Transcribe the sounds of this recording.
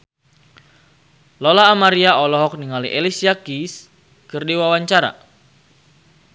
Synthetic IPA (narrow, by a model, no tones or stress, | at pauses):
lɔlaːmaɾiaɔlɔɦɔk̚niŋaliʔelisiakis | kɨrdiwawaɲt͡ʃaɾa̰